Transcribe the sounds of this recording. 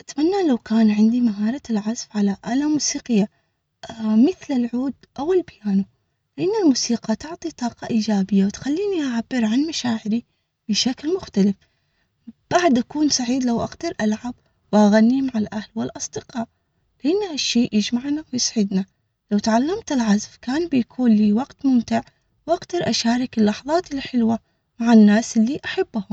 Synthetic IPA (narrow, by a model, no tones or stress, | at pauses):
ʔat̪manːalawkaːnʕɪnd̪imaɦɑːɾˤɑlʕazfʕalaʔalamuːsiːqɪjːa | mɪθlɪlʕuːd̪̚ʔawɪlbajaːnu | lɪʔɪnːalmuːsiːqɑt̪ʊʕt̪ˤit̪ˤɑːqɑʔiːd͡ʒaːbɪjːawt̪xalːiːniʔaʕabːɪɾʕanmaʃaːʕɪɾi | bɪʃaklmʊxt̪alɪf | b̥aʕd̪ʔakuːnsaʕiːd̪lawʔaɡd̪ɑɾˤʔalʕab | wʔaɣanːimaʕalʔahlwɪlʔɑsˤd̪ɪqɑːʔ | lɪʔɪnːhaʃːeːʔjɪd͡ʒmaʕnawjɪsˤʕɪd̪na | lawt̪ʕalːamt̪ɪlʕazfkaːnbɪjakʰuːnliːwaɡt̪mʊmt̪ɪʕ | wʔaɡd̪ɑɾˤʔaʃaːɾˤɪkɪlːɑħðˤɑːt̪ɪlħɪlwa | maʕanːaːsʔɪlːiʔaħabːhʊm